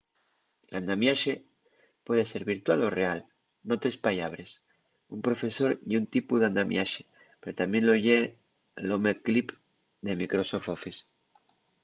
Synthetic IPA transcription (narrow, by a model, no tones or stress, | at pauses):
land̪amjaʃe | pwe̞ð̞e̞se̞ɾβiɾt̪walo̞real | no̞t̪ɾe̞spaʎaβ̞ɾes | umpɾo̞fe̞so̞ɾiunt̪ipuðand̪amjaʃe̥ | pe̞ɾot̪amje̞nloʝe | lomeklip | d̪e̞mikɾo̞sofofis